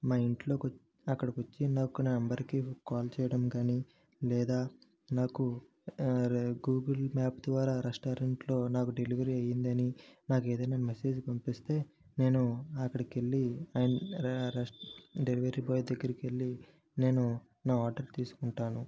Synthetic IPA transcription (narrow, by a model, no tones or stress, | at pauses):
maːiɳʈlo̞ːk | ɐkːɐɽɐkʋɐt͡ʃːinaːkunaːnɐmbɐɾkikaːlt͡ʃɛːjɐɽɐmkaːni | lɛːd̪aː | naːku | ɡuːɡɐlmaːpd̪ʋaːɾaːɾeʂʈaːɾeɳʈlo̞ːnaːkuɖe̞liʋɐɾiɐjind̪ɐninaːke̞ːd̪ɐjnaːmese̞ːd͡ʒpɐmpist̪e̞ː | ne̞ːnuɐkːɐɽɐkeɭːiaːjɐn | ɖeliʋɐɾiːbɔːjd̪ɐɡːɐɾikielːi | ne̞ːnu | naːaːɾɖɐɾt̪iːsu̥kuɳʈaːnu